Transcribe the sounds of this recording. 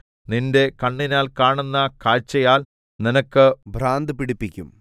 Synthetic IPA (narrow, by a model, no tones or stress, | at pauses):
ninde̞kɐɳːinaːlkaːɳunːɐkʰaːt͡ɕːɐjaːl | ninɐkːɨbʱɾaːnd̪ɨpiɽipːikʲːum